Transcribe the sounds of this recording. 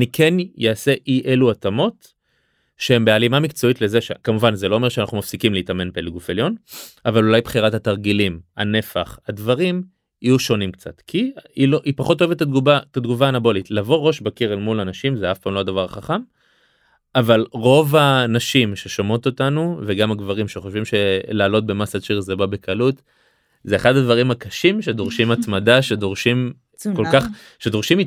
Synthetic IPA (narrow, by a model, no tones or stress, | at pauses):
anikʰenjaːse̞ʔiʔeluatamo̞t | ʃeembealimamikt͡so̞itle̞zeʃekamuvanzelo̞omeʃeana̰χnumafsikimleitame̞nbeleɡufeljo̞navalulajbχiʁathataʁɡilima̰ne̞faχadvaʁim | ijuʃo̞nimkt͡sa̰t̪kʰiiloʔipaχoto̞evet̪ːad̪ɡubaetad̪ɡuvaːnabo̞litlavo̞ʁo̞ʃbakiʁelmulanaʃimzeafpaːmload̪avaʁχaχam | avalʁo̞vanaʃimʃe̞ʃomo̞t̪o̞tanuve̞ɡamaɡvaʁimʃeχoʃvimʃe̞laːlo̞t̚be̞masadʃiʁzebabe̞kʰalut | zeeχadadvaʁimhakaʃimʃed̪o̞ʁʃimat̪madaʃe̞d̪o̞ʁʃim | ko̞lkaχ | ʃe̞d̪o̞ʁʃimi